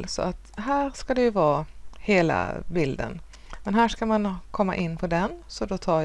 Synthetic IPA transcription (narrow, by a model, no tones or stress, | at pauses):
lsɔ̰at̪ɦæːɾskad̪ɛjɵvɑːheːla̰bɪld̪ə̰n | mɛnɦæːʂkamankʰɔmːa̰ʔɪnːpʰɔd̪ɛnsɔd̪ɔt̪ʰɑː